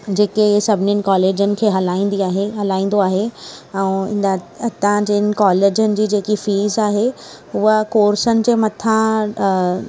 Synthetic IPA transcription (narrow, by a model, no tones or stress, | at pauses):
d͡ʑeːkesɐbʱɪnənɪ̆kɔːleːd͡ʑənɪ̆kʰeːɦɐlaːĩːnd̪iaːɦeɦɐlaːĩːn̆d̪oaːɦeɛ̃ɪ | ɐt̪ãd͡ʑeɪnɪ̆kɔːleːd͡ʑənɪ̆d͡ʑiːd͡ʑeːkifiːzaːɦe | uəkoːɾsənɪ̆d͡ʑeːmɐt̪ʰã